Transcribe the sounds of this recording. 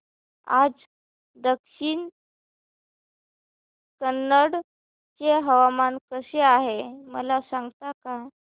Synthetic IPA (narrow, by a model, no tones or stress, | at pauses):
a̰d͡z | d̪əkʂiːn | kənːəɽ | t͡ɕeɦəʋamankəseaɦemə̰lasaŋɡt̪aka